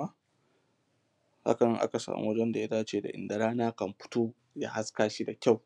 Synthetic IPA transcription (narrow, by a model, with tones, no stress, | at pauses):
a˦ | ha̰˦kɐ˨nɪ˦ŋʔa̰˦ka˨sa̰ː˨mṵ˦wd͡ʒɛɐ˦nda˨ja˦taː˦t͡ʃeː˦˨da̰˨ʔɪ̰˨nda˨ɾaː˦naː˦kɐ˨mɸʊ̥˦toː˦ | ja̰ː˦ha˦skaː˦ʃi˦da˨kʲa˦˨w